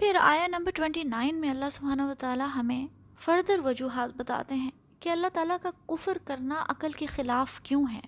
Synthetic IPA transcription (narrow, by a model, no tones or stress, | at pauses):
pʰɪɾa̰ːjanɐ̃mbəɾʈwɛ̃ɳʈinaːɪnmẽɐlːaɦsʊbʱaːnaʋɐt̪aːlaɦɐmẽ | fɐɾd̪əɾʋɐd͡ʒuːɦaːt̪̚bɐt̪a̰ːt̪eɦɛ̃ | keɐlːaɦt̪aːlakakʊfɾkɐɾnaʔɐ̰kəlkexɪlaːfkjõːɦɛ̰̃ː